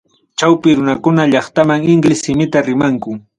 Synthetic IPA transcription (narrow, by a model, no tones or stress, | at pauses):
t͡ʃawpɪɾʊnakʊnaʎɑχt̪amaŋɪŋɡlɪsɪmɪt̪aɾɪmaŋkʊ